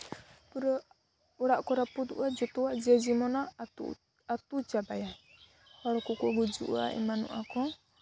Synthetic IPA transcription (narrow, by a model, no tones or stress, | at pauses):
pɾɔ | ɔɾaʔkɔɾapud̪ṵʔad͡ʒɔt̪ɔwad͡ʒɛd͡ʒimɔna̰ | at̪ud͡ʒabaja | hɔɾɔkɔkɔɡud͡ʒṵʔa̰ḭmanɔ̰ʔakɔ